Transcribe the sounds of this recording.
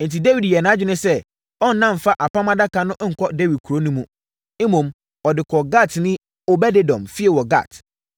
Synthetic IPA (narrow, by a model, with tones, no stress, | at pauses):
n̩˨ti˨de˦wi˨djɛ˨nã˨˦d͡ʑᶣɪ˦nɪ̃˦sɛ˦ | ɔ˦n̩˨˦nã˦m˨fa˦ʔa˨pã˦mã˦da˦ka˨nʊ̃˦ʔŋ̩˨kʰɔ˦de˦wi˨d̚kʰu˨ɾo˦nũ˦mũ˦ | e˦mõ˨m | ɔ˨dɪ˨kʰɔ˨ɡa˦˨tnɪ̃˦ | ɔ˦bɛ˦de˦dɔ̰̃˨mfi˦ɛ˨wɔ˨ɡa̰˦˨t